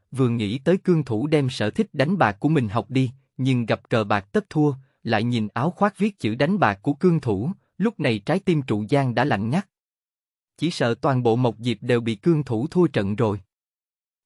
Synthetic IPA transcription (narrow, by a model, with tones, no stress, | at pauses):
vɨ˨˩əŋḭ˧˥t̪əː˨˦jkɨ˧əŋt̪ʰu˧˩ɗɛ˧msə̰ː˧˨t̪ʰï˦˥k̟̚ɗa˨˦jŋ̟ɓaː˨˩k̚kːu˧˩əmï˨˩ŋ̟ɦa˨˩wk͡p̚ɗi˧ | ɲɨ˧ŋɣa˨˩p̚kəː˨˩ɓaː˨˩k̚t̪ə˦˥p̚t̪ʰu˧ə | la̰ː˧˨jɲi˨˩nʔaː˨˦wxwaː˦˥t̚vi˦˥ət̚t͡ɕɨ̰˧˩ɗa˨˦jŋ̟ɓaː˨˩k̚ːu˧˩əkɨ˧əŋt̪ʰu˧˩ | lʊ˦˥k͡p̚na˨˩jt͡ɕaː˨˦jt̪i˧mt͡ɕṵ˧˨zaː˧ŋɗa̰ː˧˥la̰˧˨jŋ̟ɲa˦˥t̚ | t͡ɕi˧˩sə̰ː˧˨t̪waː˨˩nɓo̰˧˨mə˨˩wk͡p̚zi˨˩p̚ɗe˨˩wɓḭ˧˨kɨ˧əŋt̪ʰu˧˩t̪ʰu˧ət͡ɕə̰˧˨nzo˨˩j